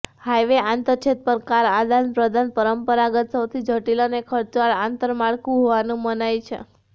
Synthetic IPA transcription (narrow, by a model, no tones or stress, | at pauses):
hajʋeʔant̪əɾt͡ʃʰet̪̚pəɾkaɾad̪anpɾəd̪ʱanpəɾəmpəɾaɡət̪səwt̪ʰid͡ʒʱəʈilonekʰəɾt͡ʃʋaɭant̪əɾmaɭkũɦoʋanũmənajt͡ʃʰḛ